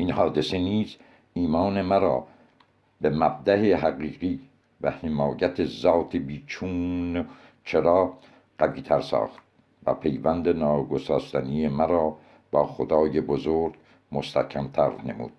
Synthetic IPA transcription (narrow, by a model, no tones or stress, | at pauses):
ʔinhɒːd̪eseniːz | iːmɒːne̞mæɾɒː | bemæb̚d̪æheɦæɣiːɢiː | væ̰hemɒːjæt̪ʰezɒːt̪ʰebiːt͡ʃʰuːn | t͡ʃʰeɾɑː | ɢæviːt̪ʰæɾsɑ̰ːxt̪̚ | væ̰pʰe̞jvænd̪enɒːɡosɑːst̪ænijemæɾɒː | bɒːxod̪ɑːjebozoːɾɡ | most̪ækʰæmt̪ʰæɾne̞̰mṵːd̪̥